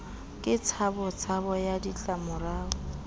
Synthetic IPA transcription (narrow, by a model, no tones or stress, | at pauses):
kʼɪt͡sʰabɔt͡sʰabɔjadit͡ɬʼamʊɾaːɔ